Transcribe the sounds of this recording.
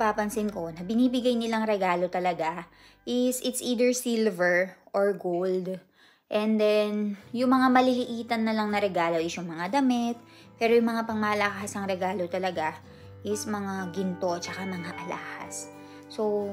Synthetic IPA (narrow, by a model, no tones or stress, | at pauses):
paːpɐnsɪnko̞nɐbɪniːbɪɡajnɪlaŋɾɛɡaːlo̞t̪ɐlɐɡa | ʔɪsʔɪt̪sʔiːd̪ɛɹsilvɛɹʔoɹɡold̪ | ʔɛnd̪ɛnjʊŋmɐŋamɐlɪlɪʔiːt̪ɐnːɐlɐŋnɐɾɛɡaːlo̞ʔɪsjʊŋmɐŋad̪ɐmɛt̪̚ | pɛːɾo̞jʊŋmɐŋapɐŋmaːlɐkasɐŋɾɛɡaːlo̞t̪ɐlɐɡa | ʔɪsmɐŋaɡɪnt̪o̞t͡ʃɐkamɐŋaʔɐlaːhɐ̰sː | o̞